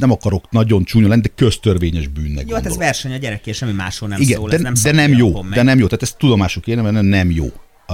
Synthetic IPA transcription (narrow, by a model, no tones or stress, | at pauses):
nɛmɒkɒɾo̞knɒɟo̞nt͡ʃuːɲolɛnid̪ɛkø̞st̪ørvʋeːɲɛʒbyːnːɛ̰ɡjoɛɔ̰zvɛrʃɛɲɒɟɛɾɛkːeʃɛmːima̰ːʃhonɛiɡɛːlɛnɛmd̪ɛnɛmjoːd̪ɛnɛmjoːt̪aːt̪ɛst̪ːud̪o̞maːʃokeːnɛmɛnɛnɛmjo̰ː